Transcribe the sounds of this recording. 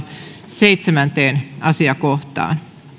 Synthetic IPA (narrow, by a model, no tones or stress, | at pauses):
seit̪semænt̪eːnɑsiɑkoht̪ɑ̰ːn